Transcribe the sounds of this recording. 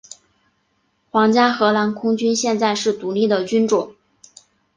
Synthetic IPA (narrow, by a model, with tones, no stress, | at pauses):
xwɑ˧˥ŋt͡ɕja˥xɤ˧˥la˧˥nkʰʊ˥ŋt͡ɕy˥nɕjɛ˥˧nt͡sa˥˧ɪʂɻ̩˥˩t̪u˧˥li˥˩d̪ə˩t͡ɕy˥nʈ͡ʂʊ˨˩˦ŋ